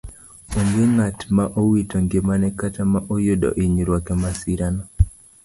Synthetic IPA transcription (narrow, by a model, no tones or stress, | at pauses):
oŋɡeŋatmaʔowitoŋɡemanɛkatamaʔojodɔ̰ʔiɲɾwakɛmasiɾanɔ